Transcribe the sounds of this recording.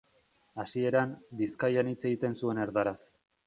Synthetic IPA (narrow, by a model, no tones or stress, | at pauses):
asie̞ɾambiskajanit͡se̞ɣit̪e̞nsue̞ne̞ɾðaɾas